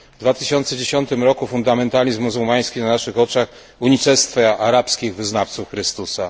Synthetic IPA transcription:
vd̪vat̪ɘɕɔnt̪sɛd͡ʑeɕɔnt̪ɘmɾɔkufund̪amɛnt̪alʲizmːuzuwmaj̃skʲinanaʂɘxɔt͡ʂax | uɲit͡ʂɛst̪fɛaɾapskʲiɣvɘznaft̪sufxɾɘst̪usa

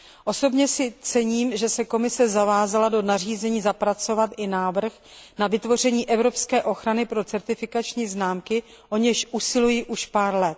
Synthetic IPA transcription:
ʔo̞so̞bɲɛsɪt͡sɛɲiːmʒɛsɛko̞mɪsɛzavaːzalado̞nar̝iːzɛɲiːzapɾat͡so̞vat̪ʔɪnaːvr̩x | navɪt̪vo̞r̝ɛɲiːʔɛvɾo̞pskɛːʔo̞xɾanɪpɾo̞t͡sɛɾt̪ɪfɪkat͡ʃɲiːznaːmkɪ | ʔo̞ɲɛʃʔusɪlujiʔuʃpaːɾlɛt̪̚

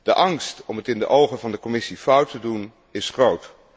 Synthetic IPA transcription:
d̥əʔɑŋstɔmətɪndə̰ʔowχənvɑndəkɔmɪsifʌwtədun | ɪsχrowt

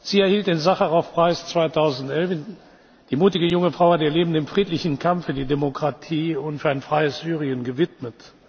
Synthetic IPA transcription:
z̥iːɛɐhiːlt̚d̥eːnzaχaʁɔfpʁ̥aɪst͡sv̥aɪtʰaʊzn̩tʔɛlfn | d̥iːmuːtɪɡəjʊŋəfʁ̥aʊɐdeɐleːbm̩deːmfʁ̥iːtlɪçn̩kʰamfːyːɐdiːdemokʁ̥atʰiːʊntfyːɐaɪnfʁ̥aɪəsz̥yːʁiənɡəvɪtmət

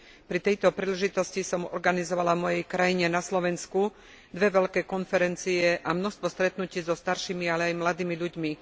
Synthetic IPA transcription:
pɾit̪ɛjt̪ɔpɾiːlɛʒit̪ɔscisɔmɔ̰ɾɡanizɔʋalavmɔjɛjkɾajiɲɛnaslɔʋɛnsku | d̪ʋɛʋɛʎkɛːkɔnfɛɾɛnt͡siɛʔamnɔst̪ʋɔst̪ɾɛt̪nuciːzɔst̪aɾʃimialɛajmlad̪iːmiʎuɟmi

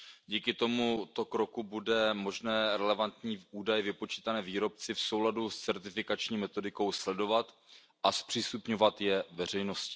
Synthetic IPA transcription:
ɟiːkɪt̪o̞mut̪o̞kɾo̞kubudɛmoʒnɛːɾɛlɛvant̪ɲiːʔuːdajɛvɪpo̞t͡ʃiːt̪anɛːviːɾo̞p̚t͡sɪfso̞wladust͡sɛɾt̪ɪfɪkat͡ʃɲiːmɛt̪o̞dɪko̞wslɛdo̞vat̪ | ʔaspr̥iːst̪upɲo̞vat̪jɛvɛr̝ɛjno̞scɪ̥

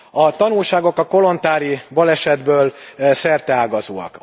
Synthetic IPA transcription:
ɒt̪ɒnulʃaːɡo̞kɒko̞lo̞nt̪aːɾibɒlɛʃɛd̪bøːlsɛrt̪ɛaːɡɒzo̰ːɒ̰k

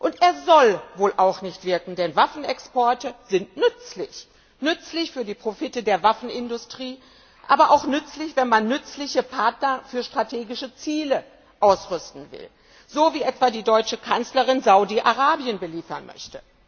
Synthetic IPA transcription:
ʔʊnteːɐzɔlvoːlʔaʊxnɪçtv̥ɪɐkŋ̩dɛnvafn̩ɛkspɔɐtəzɪntnʏt͡slɪç | nʏt͡slɪçfyːɐdiːpʁ̥ofɪtədeːɐvafn̩ɪndʊstʁ̥iː | ʔaːbɐʔaʊxnʏt͡slɪçv̥ɛnmanːʏt͡slɪçəpʰaɐtnɐfyːɐʃtʁ̥atʰeːɡɪʃət͡siːlə | ʔaʊsʁʏstn̩vɪ̰l | z̥oːviːʔɛtv̥aːdiːdɔʏt͡ʃəkʰant͡slɐʁɪnzaʊdiʔaʁaːbiənbəliːfɐnmœ̰çtə

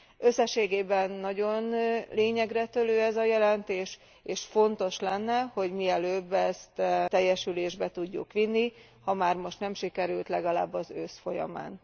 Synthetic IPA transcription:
ø̞sːɛʃːeːɡeːbɛnːɒɟo̞nleːɲɛɡrɛt̪øløːɛzɒjɛlɛnt̪eːʃ | eːʃfo̞nt̪o̞ʃlɛnːɛho̞ɟmiɛløːbːɛst̪t̪ɛjːɛʃyleːʒbɛt̪uɟːṵkʋinːi | hɒmaːrmo̞ʃt̪nɛmʃikɛɾylt̪lɛɡɒla̰ːbːɒzøsfo̞jɒ̰ma̰ːn

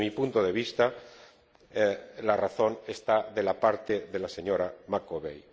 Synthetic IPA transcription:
mipunt̪oðe̞βist̪a | laraθo̞ne̞st̪aðe̞lapaɾt̪eðe̞lase̞ɲo̞ɾamakoβej

